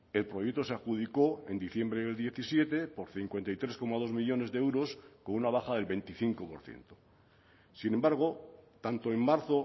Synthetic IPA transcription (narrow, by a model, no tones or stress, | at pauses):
e̞lpɾo̞jek̚t̪oseaxuðiko̞e̞nd̪iθje̞mbɾeeld̪je̞θisje̞t̪e̞po̞ɾθiŋkwe̞nt̪ajt̪ɾe̞sko̞maðo̞zmiʎo̞ne̞zðeewɾo̞skonunaβ̞axaðe̞lβe̞nt̪iθiŋkopo̞ɾθje̞̰nt̪o̥ | sinẽ̞mbaɾɣ̞o̞t̪ant̪oemːaɾθo̞